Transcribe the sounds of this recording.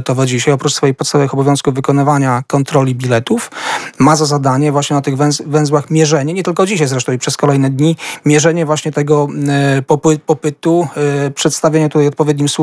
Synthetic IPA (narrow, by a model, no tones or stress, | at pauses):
t̪ɔvɛd͡ʑiɕajɔpɾut͡ʂsfɔjexpɔt̪st̪avɛvxɔbɔvjɔ̃w̃skuvvɘkɔnɘvaɲakɔnt̪ɾɔlʲibʲilɛt̪ufmazazad̪aɲɛvwaɕɲɛnat̪ɘɣvɛ̃zvɛ̃w̃zwaxmʲjɛʐɛɲɛɲɛt̪ɘlkɔd͡ʑiɕ̬ajzɾɛʂt̪ɔ̃w̃ipʂɛskɔlɛjnɛd̪ɲimʲjɛʐɛɲɛvwaɕɲɛt̪ɛɡɔpɔppɔpɘt̪upʂɛt̪st̪avʲjeɲɛt̪ut̪ajɔt̪̚pɔvʲjeɛd̪ɲimsu